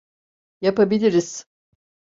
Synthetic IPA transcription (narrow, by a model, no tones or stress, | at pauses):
japabilʲiɾiz̥